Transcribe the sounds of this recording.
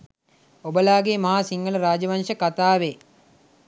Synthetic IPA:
obəlaːɡeːmɐɦaːsiŋɡɐlɐɾaːd͡ʒɐʋɐnʂəkat̪aːʋe

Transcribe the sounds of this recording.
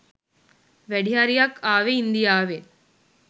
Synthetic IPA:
ʋɛɽijaːɾijaːkaːʋeind̪ɪjaːʋe

